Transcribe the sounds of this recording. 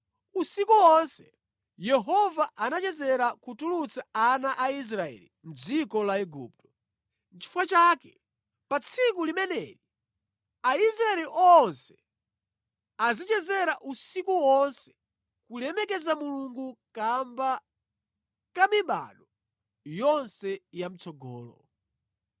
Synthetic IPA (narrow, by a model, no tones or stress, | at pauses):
usikuwɔnsɛ | jɛɦɔvaʔanat͡ʃɛzɛɾakutulut͡saanaʔais̬ɾaɛ̰lḭm̩d͡zikɔlaɛɡṵp̚tɔ̥ | t͡ʃi̥fwat͡ʃaːkɛ | pat͡sʰik̬ulimɛnɛ̰ːɾi | aisɾaɛliʔɔnsɛ̥ | azit͡ʃɛzɛɾaʔusikuwɔnsɛ̥ | kulɛmɛkɛzamuluŋɡukamba | kamiɓa̰ɗɔ | jɔnsɛjam̩t͡sɔɡɔ̰ːlɔ̰